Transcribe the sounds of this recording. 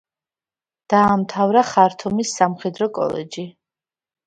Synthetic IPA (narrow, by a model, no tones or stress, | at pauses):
d̪̥aːmt̪ʰavɾaχaɾt̪ʰɔmisːamχɛd̪ɾɔkʼɔ̰lɛ̰d͡ʒi